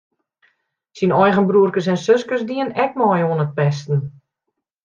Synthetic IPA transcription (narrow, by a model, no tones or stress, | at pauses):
sinɔjɣənbruərkəs̬ɛnsøskərsdiənɛk̚mɔjuənət̚pɛstn̩